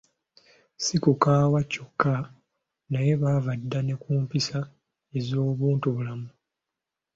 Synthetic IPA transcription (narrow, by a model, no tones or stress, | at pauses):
sikukaːwaco̞kːa | naje̞βaːvadːane̞kuːmpisa | e̞zo̞ːβuːntuβulamu